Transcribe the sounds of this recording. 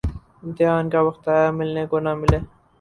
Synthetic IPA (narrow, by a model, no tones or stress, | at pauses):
ɪmt̪ɪɦɑːnkawɐxt̪aːjamilnekonamile